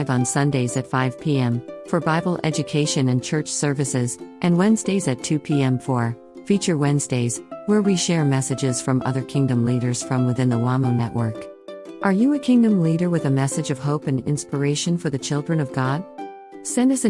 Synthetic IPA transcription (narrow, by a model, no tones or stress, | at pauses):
ɪvn̩sʌ̃ndeɪzɨtfaɪv̥pʰiɛ̃mfə˞baɪbl̩ˠɛ̰d͡ʒɨkʰeɪʃɨ̃nɨ̃nt͡ʃʰɜ˞t͡ʃsɜ˞vɨsɪzʔɨ̃nwɛ̃nzdeɪzɨtʰʉpʰiɛ̃ɱfɔɹ | fit͡ʃə˞wɛ̃nzdeɪz̥wə˞wiʃɛɹmɛsɨd͡ʒɪz̥fɹʌ̃mʌ̰ðə˞kʰɪ̃ŋdɨ̃mliɾə˞z̥fɹʌ̃mwɨθɪ̃nðəwɑmənɛʔwʔə˞k | ʔə˞jɨɨkʰɪ̃ŋdɨ̃mliɾə˞wɨðɨmɛsɨd͡ʒʌv̥ɦoʊpɨ̃nɪ̰̃nspə˞eɪʃɨ̃nfə˞ðɨt͡ʃʰɪlˠdɹɨ̃nʌvɡɑd̥̚ | sɛ̃ndʌsɨ̃